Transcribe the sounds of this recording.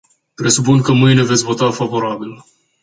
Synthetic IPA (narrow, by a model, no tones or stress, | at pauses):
pɾe̞supunkəmɨjne̞ve̞t̪sʲvo̞t̪afavo̞ɾabil